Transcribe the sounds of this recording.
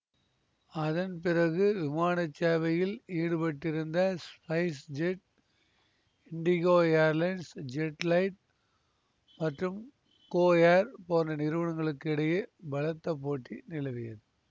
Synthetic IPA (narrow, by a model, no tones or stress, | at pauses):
ɐðɐnp̬ɪrɐɣɯʋɪmaːɳɐt͡ʃːaːʋɐjɪliːɽɯpɐʈːɪɾɯnd̪ɐspɐɪsd͡ʒɛʈ | ɪɳɖɪɣoːaːɾlɐɪɳɖsd͡ʒɛʈlɐɪʈ̚ | mɐʈrɯm | koːaːɾpoːndɐnɪɾɯʋɐɳɐŋɡɐɭɯkːɪɽɐjɐbɐlɐt̪ːɐp̬ːoːʈːinɪlɐʋɪjɐðɯ